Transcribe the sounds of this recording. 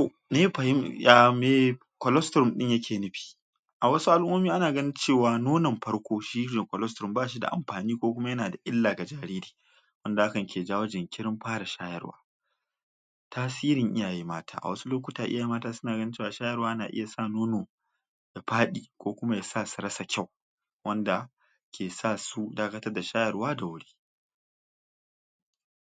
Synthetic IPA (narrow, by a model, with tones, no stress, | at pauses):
to˨ | neː˦ɸɐ˨hɪ˦mjaː˦meː˦ | kʷɔ˨lɔ˦stɾʊ˦˨mɗɪ˦ɲjɐ˦kʲʰeː˨nɪ˦ɸi̥ː˨ | ʔa˨wɐ˦su˦ʔa˦lʔʊ˦mo˦miː˦ʔa˦naː˨ɡɐ˦nɪ˦nt͡ʃeː˦˨waː˨noː˦nɐ˨mɸɐ˦ɽkʷoː˦ʃi˦ɪ˦d͡ʒɪ˨kʷɔ˨lɔ˦stɾʊ˦˨mbaː˦˨ʃi˦da̰˨ʔa̰˨mɸaː˨niː˦kʷoː˦kʷʊ˦ma˦jɐ˦naː˨da˨ʔɪ˦lːaː˨ɡa˨d͡ʒaː˨ɾiː˦ɾi̥ː˨ | wɐ˦nda˨ʔa˦kɐ˨ŋkʲʰeː˨d͡ʒaː˦wo˦d͡ʒɪ˨ŋkʲɪ˦ɾɪ˦mɸaː˦ɽa˨ʃaː˦jɐ̰˦rwa̰ː˦ | taː˦siː˦ɾɪ˨ŋʔɪ˦jaː˨ji˦maː˦tʰa̰ː˦ʔa̰˨wɐ˦su˦loː˦kʷʊ˦taː˨ʔɪ˦ja˨ji˦maː˦taː˦sʊ˦naː˨ɡɐ˦nɪ˦nt͡ʃe˦˨wa˨ʃaː˦jɐ˦rwaː˦jɐ˦naː˨ʔɪ̰˦ja˨sa˦noː˦noː˨ | da˨ɸaː˦ɗiː˨kʷoː˦kʷʊ˦ma˦ja˨saː˦˨su̥˨ɾɐ˦sa˨kʲa˦˨w | wɐ˦nda˨ | kʲʰeː˨saː˦su˦daː˦kɐ˦tɐ˦rda˨ʃaː˦jɐ˨rwaː˦da˨wʊ˦ɽiː˦